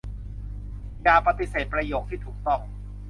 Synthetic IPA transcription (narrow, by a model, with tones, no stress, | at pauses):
jaː˨˩pa˧t̪i˨˩seː˨˩t̪̚pɾa˧joː˨˩k̚t̪ʰiː˥˩t̪ʰuː˨˩k̚t̪ɔ˥˩ŋ